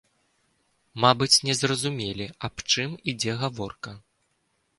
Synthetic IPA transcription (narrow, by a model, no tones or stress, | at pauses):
mabɨt͡sʲnʲɛzrɐzumʲelʲiapt͡ʂɨmid͡zʲɛɣavɔrkɐ